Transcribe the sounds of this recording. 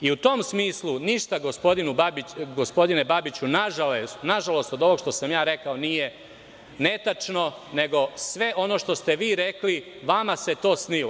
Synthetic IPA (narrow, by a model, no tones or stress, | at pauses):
iut̪o̞msmiːslˠuniʃt̪aɡospo̞d̪inubabiɡospo̞d̪ine̞babit͡ɕunaʒalesnaʒalo̞st̪od̪o̞ʋo̞ɡʃt̪o̞samjaːɾekao̞nije̞ | ne̞t̪at͡ʂno̞ne̞ɡo̞sʋe̞ʔo̞no̞ːʃt̪o̞st̪e̞ʋiːɾekli | ʋamaset̪o̞ːsnilo